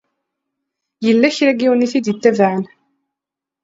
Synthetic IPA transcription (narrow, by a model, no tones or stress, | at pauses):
jəlːæçɾæɡiwniθid̪jət̪ːævaʕən